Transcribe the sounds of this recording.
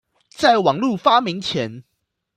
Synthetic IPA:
t͡sa˥˩ɪwɑ˨˩ŋlu˥˨fa˥mi˧˦ŋt͡ɕʰjɛ˨˦n

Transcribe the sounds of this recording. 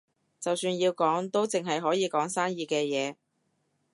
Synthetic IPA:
t͡sɐ˨wsyː˧njiː˧wkɔː˨˥ŋt̪o˥wt͡sɪ˨˩ŋɦɐ˨jɦɔː˨˥jiː˨˧kɔː˨˥ŋsaː˥ŋjiː˨˧kɛː˧jɛː˨˧

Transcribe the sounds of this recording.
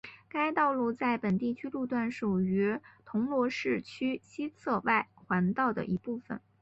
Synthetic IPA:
ka˥ɪt̪ɑ˥˧ʊlu˥˧t͡sa˥˩ɪpə˨˩nt̪i˥˩t͡ɕʰy˥lu˥˧t̪wa˥˩nʂu˨˩y˧˥t̪ʰʊ˧˥ŋlwɔ˧˥ʂɻ̩˥˩t͡ɕʰy˥ɕi˥t͡sʰɤ˥˧wa˥˩ɪxwa˧˥nt̪ɑ˥˩ʊd̪ə̰˩ʔi˧˥pu˥˩fə̰˨˩n

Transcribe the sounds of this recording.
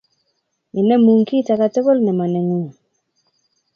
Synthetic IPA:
mi˨nɛ˦mu˨ŋki˦ta˨ka˨te˦ko˦lnɛ˨ma˨nɛ˨ŋu˦ŋ

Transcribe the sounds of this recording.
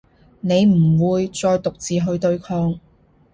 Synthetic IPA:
ne˨˧jm̩˨˩wuː˨˧jt͡sɔː˧jt̪ʊ˨k̚t͡siː˨ɦɵ˧ɥt̪ɵ˧ɥkʰɔː˧ŋ

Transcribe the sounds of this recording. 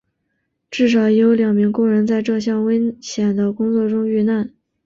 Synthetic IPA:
ʈ͡ʂɻ̩˥˩ʂ̬ɑ˨˩ʊjo˧˥ʊljɑ˨˩ŋmi˧˥ŋkʊ˥˩ŋɻə˧˥nt͡sa˥˧ɪʈ͡ʂɤ˥˧ɕ̬jɑ˥˩ŋwə˥ɪɕjɛ˨˩nd̪ə˦˧kʊ˥ŋt͡swɔ˥˩ʈ͡ʂʊ˥ŋy˥˧na˥˩n

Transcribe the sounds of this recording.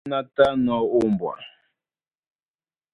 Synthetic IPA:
na˦ta˦nɔ˨˦u˦mbwa̰˨

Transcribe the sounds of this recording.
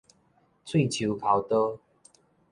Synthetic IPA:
t͡sʰwe˥˨t͡ɕʰu˨˦kʰa˨˦wt̪ə˦

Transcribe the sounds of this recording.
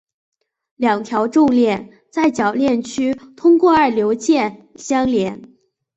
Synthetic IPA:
ljɑ˨˩ŋt̪ʰjɑ˧˥ʊʈ͡ʂʊ˥˧ŋljɛ˥˩n | t͡sa˥˩ɪt͡ɕjɑ˨˩ʊljɛ˥˩nt͡ɕʰy˥t̪ʰʊ˥ŋkwɔ˥˧ə˞˥˩ljo˧˥ʊt͡ɕjɛ˥˩nɕjɑ˥ŋljɛ˧˥n

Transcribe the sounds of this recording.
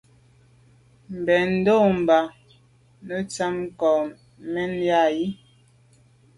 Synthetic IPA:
m̩˨bɛ˨n̩˦do˦˨m̩˨ba˨ | nə˦t͡sa˦m˦kɔ˨ | mɛ˦nja˦˨ji˦

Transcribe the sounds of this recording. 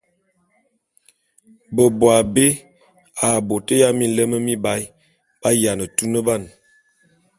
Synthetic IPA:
bə˨bwa˨be˦ | a˨bo˨tə˦ja˦mi˦lə˦mə˦mi˦ba˦j | b̥a˦ja˨nə˨tu˦nə˦ba˦˨n

